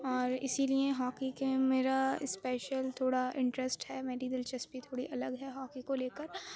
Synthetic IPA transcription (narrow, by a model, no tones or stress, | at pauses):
ɔːɾɪ̰silieɦɔːkikemeːɾaspɛːʃəlt̪ʰoːɽaʔɪ̃ɳʈɾəsʈhɛːmeːɾid̪ɪlt͡ʃɐspit̪ʰoːɽiʔɐləɡɦɛɦɔːkikoleːkəɾ